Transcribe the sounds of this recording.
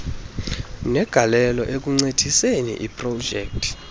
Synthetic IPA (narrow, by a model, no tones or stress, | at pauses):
nɛɡ̥ʱalɛlɔ̰ʔek̬ʼuŋ͡ǀed̥ʱisenḭʔipʼrɔ̥d͡ʒʱɛːk̚tʰʼ